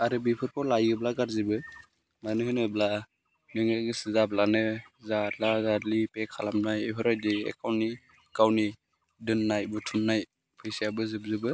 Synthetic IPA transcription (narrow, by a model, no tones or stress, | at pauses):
aɾɯbipʰɯɾpʰɔlajɯblaɡaɾzibɯ | manɯhɯnɯbla | nɯŋɯɡɯsɯzablanɯzatlazadlipekʰalamnajeɦʰɯɾajdiḛkawni | kawni | dɯnːajbutʰumnaj | pʰɯjsijabɯzɯb̚zɯbɯ